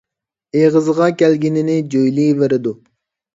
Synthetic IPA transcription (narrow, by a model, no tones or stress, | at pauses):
eʁəzʁɑkʲɛlɡʲinɪnɪd͡ʒojliːveɾɪd̪u